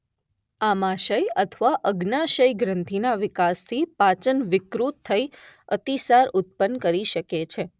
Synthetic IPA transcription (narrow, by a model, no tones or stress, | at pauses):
amaʃəjət̪ʰəʋaʔəɡnaʃəjɡɾənt̪ʰinaʋɪkast̪ʰipat͡ʃənʋɪkɾut̪ʰːəiət̪isaɾʊt̪̚pənːkəɾiʃəket͡ʃʰe